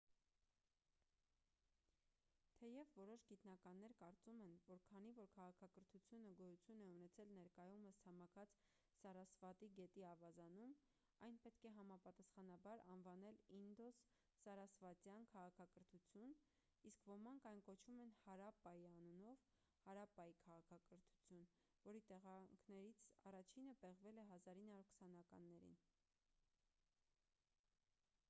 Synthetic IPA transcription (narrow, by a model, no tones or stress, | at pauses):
t̪ʰɛjɛvːɔɾɔʃɡit̪nɑkɑnːɛɾkɑɾt͡sumɛnvɔɾkʰɑn̪ivɔɾkʰɑʁɑkʰɑkəɾt̪ʰut͡sʰjunəɡɔjut͡sʰjunɛunɛt͡sʰɛlnɛɾkɑjuməst͡sʰɑmɑkʰɑt͡s | sɑɾɑsvɑt̪iɡɛt̪iɑvɑzɑnum | ɑjnpɛt̪kʰɛɦɑmɑpɑt̪ɑsχɑnɑbɑɾɑnvɑnɛlind̪ɔsː | ɑɾɑsvɑt͡sjɑnkʰɑʁɑkʰɑkəɾt̪ʰut͡sʰjun | iskvɔmɑŋkʰɑjnkɔt͡ʃʰvumɛnhɑɾɑpɑjiɑnunɔv | hɑɾɑpɑjikʰɑʁɑkʰɑkəɾt̪ʰu̥t͡sʰjun | vɔɾit̪ɛʁɑŋkʰnɛɾit͡sʰɑ̰rɑt͡ʃʰinəbɛʁvɛlɛɦɑzɑɾinhɑuɾkʰə̥sɑnɑkɑ̰nːɛɾḭn